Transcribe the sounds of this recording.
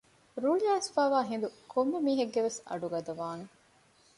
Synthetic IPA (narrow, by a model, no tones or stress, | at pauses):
ɾuːɭijaːsfaːʋaːɦĩnd̪ukʰomːɐmiːɦɐɡːeʋesɐ̰ɖuɡɐd̪ɐʋaːne